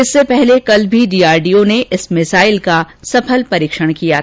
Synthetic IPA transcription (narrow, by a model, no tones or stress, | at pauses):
ɪsːepɛɦlekɐlbʱiɖiːaːɾɖijoneʔɪsmɪsaːɪlkasɐpʰəlpɐɾiːkʃəɽ̃kija